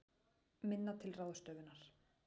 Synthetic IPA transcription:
mɪnːat̪ʰɪlraːwðʏst̪œːɥvʏnːaɾ̥

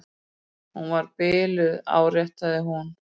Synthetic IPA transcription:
hunvaɾpɪːlʏða̰ːwrjɛht̪aðɪɦun

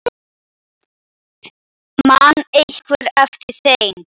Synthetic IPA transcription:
manːehkvɪɾɛft̪ɪɾ̥θejn

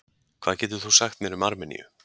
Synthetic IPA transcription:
kʰv̥aːðcɛːt̪ʏ̥θusaxt̪mɛɾʏmaɾmɛnḭjʏ̰

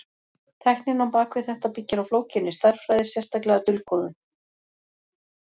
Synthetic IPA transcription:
t̪ʰɛhknɪnhampaːkvɪθɛht̪apicːɪɾawfloːwcɪnːɪst̪aɾ̥fɾajðɪsjɛst̪aklɛɣat̪ʏlkɔðʏn

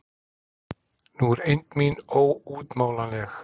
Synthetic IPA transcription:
nuːɾɪnt̪miːnowuːt̪moːlanɛx

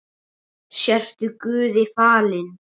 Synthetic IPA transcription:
sjɛr̥t̪ʏkʏːðɪfaːlɪn

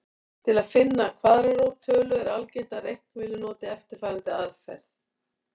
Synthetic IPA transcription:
t̪ʰɪlaðfɪnːakʰvaːðɾaɾowt̪ʰːœːlʏɛɾalcejnt̪aɾejhkvɪːlʏnɔːt̪ɪɛft̪ɪɾ̥faːɾant̪ɪaðfɛ̰ɾ̥θ

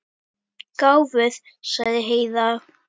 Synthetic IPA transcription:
kaːwvʏð | saɣðɪɦeːjða

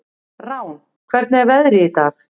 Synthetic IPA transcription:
rawn | kʰvɛɾt̪̚nɪɛɾvɛðɾɪit̪ax

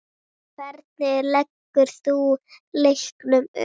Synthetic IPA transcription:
kʰvɛɾt̪̚nɪlɛkːʏɾ̥θuːlehknʏm̰

